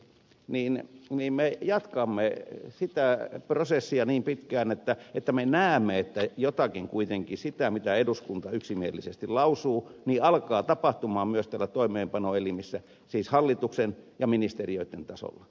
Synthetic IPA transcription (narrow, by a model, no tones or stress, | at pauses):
niːnniːmmejɑt̪kɑmːesit̪æprosesːiɑniːmpit̪kæːnet̪ːæet̪ːæmenæːmːeet̪ːæjot̪ɑkiŋkuit̪eŋkisit̪æmit̪æeduskunt̪ɑyksimielːisest̪ilɑusuːniːɑlkɑːt̪ɑpɑht̪umɑːmmyøst̪ælːæt̪oimˑeːmpɑnoelimisːæ | siːshɑlːit̪uksenjɑminist̪erioit̪ːent̪ɑso̰lːɑ